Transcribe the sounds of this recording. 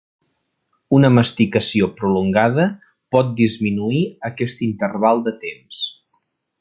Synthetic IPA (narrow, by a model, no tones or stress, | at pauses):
unəməst̪ikəsiopɾuluŋɡaðə | pɔt̪̚d̪izminuiəkɛst̪int̪ərβalˠd̪ət̪ems